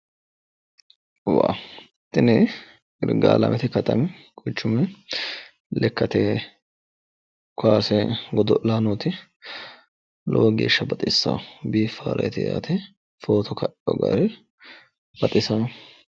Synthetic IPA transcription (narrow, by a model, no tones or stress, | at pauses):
waː | t̪ːɪnɛ | ɪɾɡa̰ːlɐ̰mʔɛt̪ɪkɐt̪ɐmkʼɔt͡ʃːʊmɛ | lɛkːɐt̪eː | kʰaːsɛɡɔd̪ɔlaːnoːt̪ɪ | lɔwɔɡeːʃːɐbɐt̪ʼɪsːa̰ːbiːfːa̰ːɾʔɐjɛt̪ɪja̰ːt̪ʰɛ | fo̞ːt̪ʰɔkɐʔɔɡɐ̰ɾɛ | bɐt̪ʼɪsaː